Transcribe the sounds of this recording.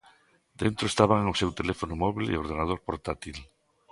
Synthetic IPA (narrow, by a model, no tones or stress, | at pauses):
d̪ent̪ɾoest̪aβ̞aŋosewt̪elefonomoβilḭoɾð̞enað̞oɾpoɾt̪at̪il